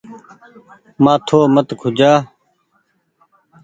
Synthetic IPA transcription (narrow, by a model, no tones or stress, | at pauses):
mãːt̪ʰoːmət̪kʰʊd͡ʒaː